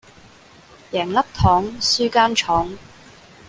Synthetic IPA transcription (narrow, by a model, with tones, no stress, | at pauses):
jɛː˨˩ŋlɐ˥p̚t̪ʰɔː˨˥ŋsyː˥kaː˥nt͡ʃʰɔː˨˥ŋ